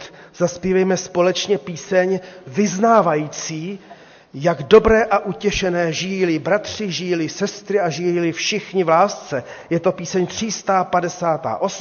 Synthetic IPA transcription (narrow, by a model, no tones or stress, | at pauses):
t̪ | zaspiːvɛjmɛspo̞lɛt͡ʃɲɛpiːsɛɲvɪznaːvajiːt͡siː | jaɡdo̞bɾɛːʔaʔucɛʃɛnɛːʒɪjilɪbɾat̪r̝̥ɪʒɪjilɪsɛst̪ɾɪaʒɪjiilɪfʃɪxɲɪvlaːst͡sɛ | jɛt̪o̞piːsɛɲt̪r̝̥ist̪aːpadɛsaːt̪a̰ːʔo̞s